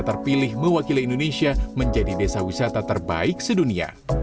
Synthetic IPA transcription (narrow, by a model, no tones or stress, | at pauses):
t̪ərpilɪhməwakiliindonesiaməɲd͡ʒadidesawisat̪at̪ərba̰ɪk̚sədunia̰